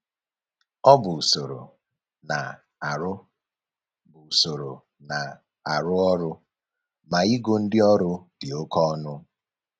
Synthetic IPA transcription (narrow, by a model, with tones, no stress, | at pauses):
ɔ˦bʊ˨so˨ɾo̰˨ | na̰˨ | ɾʊ˦ | bʊ˨u˨so˨ɾo˨ | na˨ | a˨ɾʊ˦ɔ˦ɾʊ˦ | ma˨i˦ɡo˦n̩˦dɪ˦ɔ˦ɾʊ˦d̥ɪ˨o˦kɔ˦ɔ˦nʊ˦